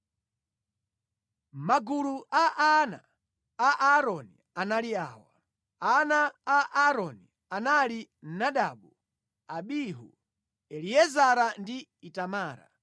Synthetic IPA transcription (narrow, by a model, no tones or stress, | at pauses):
maɡuluʔaʔana̰ | aʔaɾɔni | analiaːwa̰ | anaːʔaɾɔni | anali | naɗaɓu | aɓiɦṵ | ɛliɛzaɾandi | itamaːɾa̰